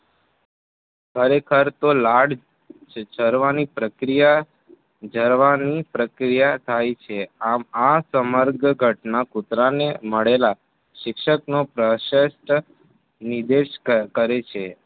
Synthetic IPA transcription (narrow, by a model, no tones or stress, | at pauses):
kʰəɾekʰəɾt̪olaɽ | d͡ʒəɾʋanipɾəkɾija | d͡ʒəɾʋanipɾəkɾijat̪ʰajt͡ʃʰeamasəməɾɡɡʱəʈnakut̪ɾaneməɭela | ʃɪkʃəknopɾəʃəsʈ | nid̪eʃkəɾet͡ʃʰe